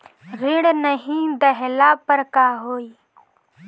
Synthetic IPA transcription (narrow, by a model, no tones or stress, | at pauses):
ɣɪɽnəɦĩd̪ɐɦlaːpəɾkaːɦoːiː